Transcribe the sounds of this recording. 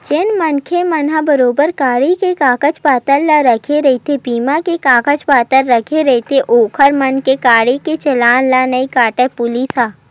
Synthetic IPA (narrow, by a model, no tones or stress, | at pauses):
t͡ʃɪnmənkʰemɐnabɐɾoːbəɾkaːɽikekaːkət͡ʃpaːt̪əlːaɾɐkʰeɾɐit̪ʰepiːmãkekaːkət͡ʃpaːt̪əɾːɐkʰeɾɛt̪ʰeʔoːkʰəɾmɐnkekaːɽiket͡ʃɐlaːnlanɐikaːʈɛpʊlisaː